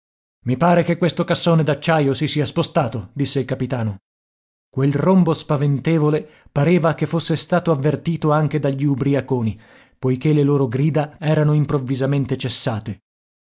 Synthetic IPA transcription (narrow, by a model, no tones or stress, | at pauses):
mipaːɾekekːwest̪okasːoːned̪at͡ʃːajosisiːaspost̪aːt̪od̪isːeilkapit̪aːno | kwelrombospavent̪eːvole | paɾeːvakefːosːest̪aːt̪oavːert̪iːt̪oaŋk̟ed̪aʎːiubɾiakoːni | pojkelːeloːɾoɡɾiːd̪aɛːɾanoimpɾovːizament̪et͡ʃesːaːt̪e